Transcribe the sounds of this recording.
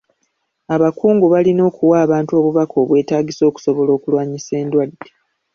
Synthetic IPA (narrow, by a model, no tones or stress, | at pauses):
aβakuːŋɡuβalino̞ːkuwaːβaːntuo̞ːβuβako̞ːβwe̞ːtaːɡiso̞ːku̥so̞βo̞lo̞ːkulwaːɲise̞ːndwadːe